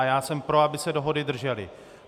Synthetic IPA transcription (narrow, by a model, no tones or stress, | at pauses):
ajaːsɛmpɾo̞abɪsɛdo̞ɦo̞dɪdr̩ʒɛlɪ̰